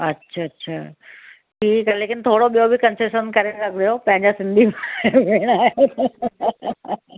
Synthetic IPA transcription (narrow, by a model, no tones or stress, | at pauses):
ɐtːɕʃʰaɐtːɕʰa̰ː | ʈʰiːkaleːkɪnt̪ʰoːɽoɓijobʱikɐnseʃənkɐɾelɐkʰd̪jopɐ̃ɦɪ̃ɲd͡ʑasɪ̃nd̪ʱimaʋeɽ̃aː